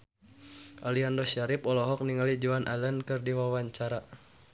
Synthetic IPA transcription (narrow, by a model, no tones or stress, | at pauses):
ʔaliandɔʃaɾipɔlɔɦɔk̚niŋalid͡ʒuanʔa̰lənkɨrdiwawaɲt͡ʃaɾa